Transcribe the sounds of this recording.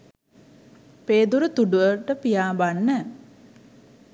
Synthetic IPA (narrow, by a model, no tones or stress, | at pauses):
peːd̪uɾut̪uɖuʋəɾʈəpijaːbanːɛ